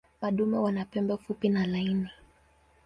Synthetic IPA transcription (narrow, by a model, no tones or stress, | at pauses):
maɗumɛwanapɛmbɛfupinalaini